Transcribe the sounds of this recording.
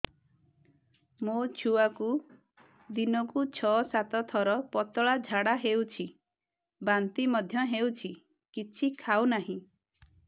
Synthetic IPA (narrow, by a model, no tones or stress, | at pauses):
mot͡ʃʰuaku | d̪inɔkut͡ʃʰɔsat̪ɔt̪ʰɔɾɔpɔt̪ɔɭad͡ʒʱaɽaɦewt͡ʃʰi | bant̪imɔd̪ʱjɔɦewt͡ʃʰi | kit͡ʃʰikʰawnaɦĩ